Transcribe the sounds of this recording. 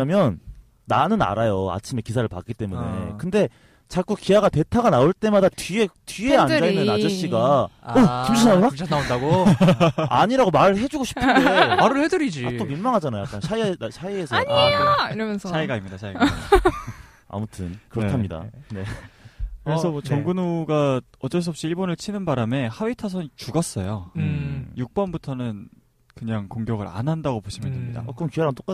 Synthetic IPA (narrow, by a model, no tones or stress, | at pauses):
amjʌnː | anɯna̰ɾajoa̰t͡ɕʰime̞kisʰaɾɯɭpa̰k͈it͈e̞mune̞̰kɯnde̞ | t͡ɕak͈ukiaɡate̞tʰaɡanaoɭt͈e̞madatɥie̞tɥie̞and͡ʑainːɯnad͡ʑʌɕ͈iɡaokimd͡ʑʰinaɡodat͡ɕʰanaondaɡo | a̰ɲiɾaɡomaɾɯɭɦe̞d͡ʑuɡoɕʰi̥pʰaɾɯɭhedɯɾid͡ʑiat͈ominmaŋɦad͡ʑanajojak͈anɕʰaiɕʰaiesʰaɲaiɾʌmjʌnsʰsʰaiɡaimɲidat͡ɕʰaia | a̰mutʰɯnkɯɾʌtʰamɲida̰ne̞ | kɯɾesʰʌmt͡ɕʌŋɡunoɡa | ʌt͡ɕ͈ʌɭs̬uʌp̚ɕ͈iiɭbonɯɭt͡ɕʰinɯnbaɾame̞hawitʰasʰʌnt͡ɕuɡʌs͈ʌjo | juk̚p͈ʌnbutʰʌnɯn | kɯɲaŋkoŋɡjʌɡɯɾa̰nɦandaɡopoɕʰimjʌndemɲida̰kɯɾʌmkieɾant͈ok͈a